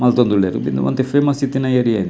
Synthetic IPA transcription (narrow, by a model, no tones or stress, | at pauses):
mɐlt̪ond̪uɭːeɾṵbḭnd̪ṵmɐ̰nt̪efemɐsit̪ːinɐjɐɾijɐjn